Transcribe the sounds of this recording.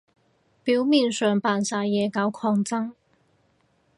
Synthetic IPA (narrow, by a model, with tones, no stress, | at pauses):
piː˨˥wmiː˨˩nsœː˨˩ŋpaː˨nsaː˧jɛː˨˧kaː˨˧˥wkʰɔː˧ŋt͡sɐ˥ŋ